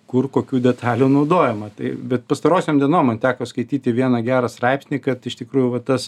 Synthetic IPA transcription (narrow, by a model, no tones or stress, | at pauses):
kʊrkoːkʲuːd̪ʲɛt̪ʰɑːlʲuːnɐʊd̪oːjɛmɐt̪ɐɪbʲɛt̪̚pɐst̪ɐɾoːsʲeːmdʲiɛnoːmɐnt̪ʲæːkoːskɐɪt̪ʲiːt̪ʲɪʋʲiɛnɐɡʲæːɾɐst̪ɾɑɪpsʲnʲiːkɐt̪ɪʃt̪ʲɪkɾuːjʊʋɐt̪ɐs